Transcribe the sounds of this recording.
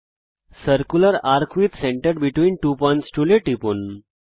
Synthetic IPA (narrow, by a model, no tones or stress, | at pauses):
səɾkuləɾaɾkʰʋiːt̪sẽɳʈəɾbiʈʋiːnʈupɔ̃jɳʈsʈuleʈːipuːn